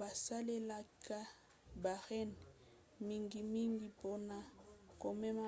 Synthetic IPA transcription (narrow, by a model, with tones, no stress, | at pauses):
ba˨sa˦le˦la˦ka˦ | ba˨ʁɛ˦n | mi˦ŋɡi˨mi˦ŋɡi˦po˦na˦ko˨mɛ˦ma˦